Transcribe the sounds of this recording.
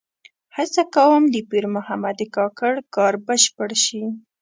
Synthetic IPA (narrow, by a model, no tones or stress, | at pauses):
hasakawəmd̪əpiɾmʊhamad̪əkɑkaɽkɑɾbəʃpəɽʃi